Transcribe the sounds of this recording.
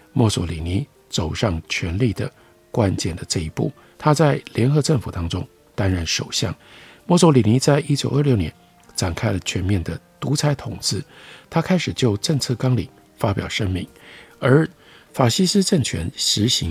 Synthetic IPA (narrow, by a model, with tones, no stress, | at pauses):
mɔ˥˩swɔ̰˧˥li˨˩ni˧˥ | t͡so˨˩ʊʂɑ˥˩ŋt͡ɕʰɥɛ˧˥nli˥˩d̪ə˩ | kwa˦˥nt͡ɕjɛ˥˩nd̪ə˩ʈ͡ʂɤ˥˩i˧˥pṵ˥˩ | t̪ʰa˥t͡sa˥˩ɪljɛ˧˥nxɤ˧˥ʈ͡ʂə˥˩ŋfu˨˩t̪ɑ˥ŋʈ͡ʂʊ̰˥ŋ | t̪a˥nɻə˥˩nʂo˨˩ʊɕjɑ̰˥˩ŋ | mɔ˥˩sɔ˧˥li˨˩ni˧˥t͡sa˥˩ɪʔi˥t͡ɕjo˨ʊə˞˥˧ljo˥˩ʊnjɛ˧˦n | ʈ͡ʂa˨˩nkʰa˥ɪlə˨t͡ɕʰɥɛ˧˥nmjɛ˥˩nd̪ə˩t̪u˧˥t͡sʰa˧˥ɪt̪ʰʊ˨˩ŋt͡sɹ̩˥˧t̪ʰa˥kʰa˥ɪʂɻ̩˨˩t͡ɕjo˥˧ʊʈ͡ʂə˥˧ŋt͡sʰɤ˥˩kɑ˥ŋli˨˩ | fa˥pjɑ˨˩ʊʂə˥ŋmi˧˥˦ŋə˞˧˥ | fa˨˩ɕi˥sɹ̩˥ʈ͡ʂə˥˩ŋt͡ɕʰɥɛ̰˧˥nʂɻ̩˧˥ɕi˧˥